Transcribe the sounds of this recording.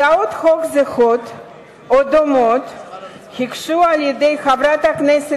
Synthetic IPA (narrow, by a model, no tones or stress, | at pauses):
aot̪χokzeχot̪ | od̪omot̪ | hikʃualjed̪ejxavɾat̪aknese